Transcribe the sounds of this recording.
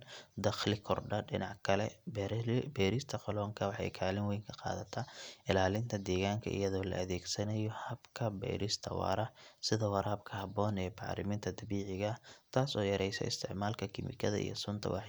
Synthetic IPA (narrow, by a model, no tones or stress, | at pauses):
d̪ɐχlɪkʰɔrɖɐɖɪ̰nɑʕkʰɐlɛ̰ | bɛːɾɪst̪ʰɐqɑlɔːŋkʰɐwɑħɑ̰jkʰaːlɪnwɛjŋkʰɐqɑ̰ːðɐt̪ʰaːʔɪlaːlɪnt̪ʰɐd̪ɛːɣaːŋkʰɐ̰ʔḭjɐðɔːlɐ̰ʔɐðɛːɡsɐnɐjɔhɐbkʰɐbɛ̰jɾʔɪst̪ʰɐwɑ̰ːɾɐsɪðɐwɑɾaːbkʰɐhɐbɔːnɛːbɑ̰ɾɪ̰mɪnt̪ʰɐd̪ɐβiːʕɪɣɐt̪ʰaːsɔːjɐɾɛjsɛ̰ɪ̰st̪ʰɪʕmaːlkʰɐkʰɪmɪ̰kʰɐðɐ̰ʔḭjɔ̰sʊnt̪ʰɐ̰wɑ̰ħ